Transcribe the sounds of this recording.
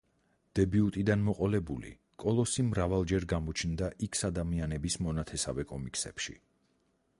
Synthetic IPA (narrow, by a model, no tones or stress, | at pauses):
d̪̥ɛbiut̪ʼid̪anmɔqʼɔlɛbṵlḭ | kʼɔlˠɔsimɾavalˠd͡ʒɛɾɡamɔt͡ʃʰnd̪aʔikʰsad̪amianɛbismɔnat̪ʰɛsa̰vɛkʼɔmikʼsɛ̰pʃḭ